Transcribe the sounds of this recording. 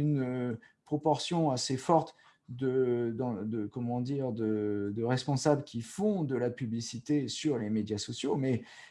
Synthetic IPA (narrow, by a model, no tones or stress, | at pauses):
ynə | pχɔpɔʁsjɔ̃asefɔʁt̪ | d̪əd̪ɑ̃d̪əkɔmɑ̃d̪iʁd̪əd̪əʁɛspɔ̃sabləkʲifɔ̃d̪əlapyblisit̪esyʁlemed̪jasɔsjomɛ